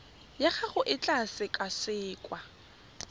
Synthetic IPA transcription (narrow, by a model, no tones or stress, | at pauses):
jaχaχʊʔɪt͡ɬʼasɪkʼasɪːkʼwa